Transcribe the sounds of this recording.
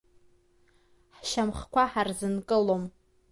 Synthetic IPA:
ħʃamχkʷʰaħarzɨnkʼɨlom

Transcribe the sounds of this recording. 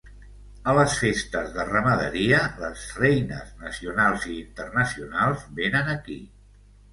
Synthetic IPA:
ələsfest̪əzðərəməðə̰ɾiələzrɛjnə̰znəsiunalˠziːnt̪ərnəsiunalˠzbenənəki

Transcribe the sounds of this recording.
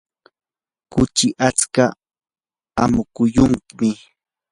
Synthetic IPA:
kʊt͡ʃɪʔat͡ska | amʊkʊjʊŋkɪmɪ

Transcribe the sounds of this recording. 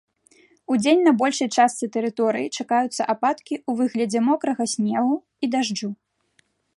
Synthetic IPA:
ud͡zʲenʲnɐbɔlʲʂɐjt͡ʂast̪sɨt̪ɛɾɨt̪ɔɾɨjit͡ʂakajut̪sːɐ̰ʔapat̪kʲiuvɨɣlʲɐd͡zʲɛmɔkɾɐɣɐsʲnʲɛɣu | id̪aʐd͡ʐu

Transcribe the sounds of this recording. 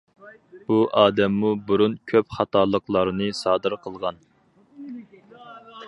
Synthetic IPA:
b̥uʔɑːd̪ɛmːubuɾunkʲʰøpχɑt̪ʰɑːlˠəqlˠɑɾnɨsɑːd̪ɨɾqʰəlˠʁɑn

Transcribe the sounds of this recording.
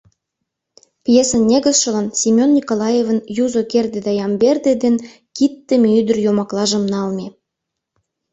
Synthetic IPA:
pjesə̆nnʲeɡə̆sʃɤ̆lɑnsʲimʲonʲːikolˠɑjevə̆njuzokerd̪ed̪ɑjɑmbʲerd̪ed̪en | kit̪ːĕmʲeyd̪ə̆rjomɑklˠɑʒə̆mnɑlˠmʲe

